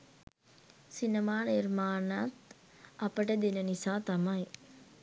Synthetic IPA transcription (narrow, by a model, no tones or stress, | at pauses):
sinɐmaːniɾmaːnat̪ | ɐpəʈɐd̪inɐnisaːt̪ɐmɐj